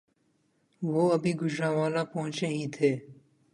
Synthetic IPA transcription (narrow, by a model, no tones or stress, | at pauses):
ʋoːɐbʱiɡʊd͡ʒɾaːʋaːlãpɐɦʊ̃t͡ʃeɦĩːt̪ʰeː